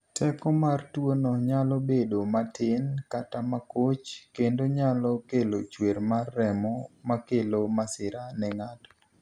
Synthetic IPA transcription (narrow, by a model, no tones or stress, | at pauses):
tʰɛkɔmartwonɔɲalɔbedomatʰɪnkatamakot͡ʃkendoɲalɔkelot͡ʃweɾmarːɛmɔmakelomasɪɾanɛŋatɔ̥